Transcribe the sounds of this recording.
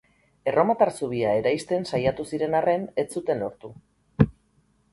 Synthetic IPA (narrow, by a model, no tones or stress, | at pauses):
e̞ro̞mat̪aɾsuβ̞iae̞ɾajst̪e̞nsajat̪usiɾe̞nare̞ne̞t͡sut̪e̞no̞ɾt̪u